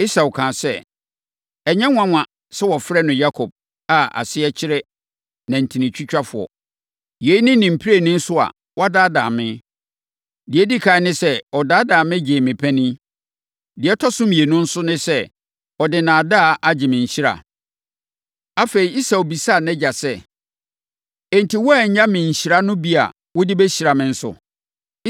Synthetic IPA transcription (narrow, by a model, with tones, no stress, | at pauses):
i˦sa˨wkʰãː˨sɛ˦˨ | ɛ˨ɲɛ̃˦ŋʷ˦ã˦ŋʷã˨ | sɛ˦wɔ˨fɾɛ˦nʊ̃˨ja˦kʰɔ˨b̥̚ | a˨a̰˨sɪ˦ɛ˦t͡ɕʰɪ˦ɾɛ˦ | nã˨n̩˨tʰĩ˨nɪ̃˨t͡ɕʰᶣɪ˦t͡ɕᶣa˦fʊ˨ɔ̰˨ | je˨˦i˦nɪ̃˦nĩ˨m̩˨pʰi˦ɾe˦˨nɪ̃˦n̩˦sʊ˦a̰˨ | wɔ˦a˦daː˦daː˨mɪ̃˦ | dɪ˨ɛ˦di˦kʰaː˨˦nɪ̃˦sɛ˦ɔ˨daː˦daː˨mɪ̃˦d͡ʑeː˨mɪ̃˨pʰæ̃˦nĩ˦ | dɪ˨ɛ˦tʰɔ˦sʊ̃˦m˨e˨nʊ̃˦n̩˦sʊ˦nɪ̃˦sɛ˦ | ɔ˨dɪ˨nãː˨da˦˨ʔa˨d͡ʑɪ˨mɪ̃˨ɲ̩˨ɕi˦ɾa̰˨ | a˦fe˨ɾi˨i˦sa˨o˨bi˨sa˦˨nɛ̃˦d͡ʑa˨sɛ˦˨ | ɛ˨n˨tʰi˨wɔ˦ɛ˨ɲ̩˦ɲã˦mɪ̃˨ɲ̩˨ɕi˨ɾa˦nʊ̃˦bi˦a̰˨ | wʊ˦dɪ˦bɛ˦ɕi˨ɾa˨mɪ̃˦n̩˦sʊ̰˨